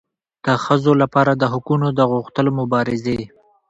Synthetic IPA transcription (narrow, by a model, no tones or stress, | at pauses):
d̪̥əxəzolapɑɾad̪əɦʊkunod̪əɣuxt̪əlomʊbɑɾɪze